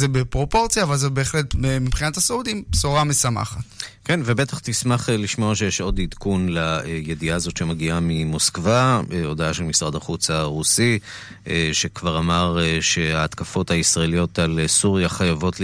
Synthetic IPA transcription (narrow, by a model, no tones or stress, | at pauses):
zebepʁo̞po̞ʁt͡sijaːvalzebe̞ːχle̞temibχinathaseudimsoʁamesama̰χatkenvebet̪aχt̪ismaχliʃmoaʃejeʃo̞did̪kunlajediaːzo̞tʃemaɡiamimoskvaeo̞d̪aaʃelmisʁad̪aχut͡saʁusi | eʃekvaʁamaʁʃe̞aːt̪kafo̞thaisʁaelijo̞talsuʁjaχajavo̞tl